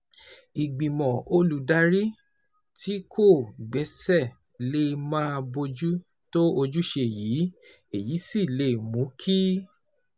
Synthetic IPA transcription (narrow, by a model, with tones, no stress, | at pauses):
i˨ɡ͡bĩ˨mɔ̃˨o˧lu˨da˧ɾi˦ | tʰi˦kʰo˦˨ɡ͡bɛ˨˦sɛ˦˨ | le˦˧mãː˦bo˧d͡ʒu˦ | to˦o˧d͡ʒu˦ʃe˧˨ji˨˦ | e˨ji˨˦si˦˨le˨˦˨mũ˨˦kʰi˦